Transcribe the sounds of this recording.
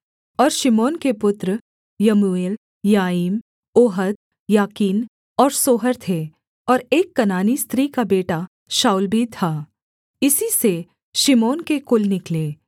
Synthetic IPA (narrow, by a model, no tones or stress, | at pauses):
ɔːɾʃɪmoːnkepʊt̪ɾ | jɐmueːl | jaːiːm | oːɦət̪̚ | jaːkiːn | ɔːɾsoːɦəɾt̪ʰe | ɔːɾeːkːɐnaːnist̪ɾiːkabeːʈa | ʃaːʊlbʱit̪ʰaː | ɪsise | ʃɪmoːnkekʊlnɪkleː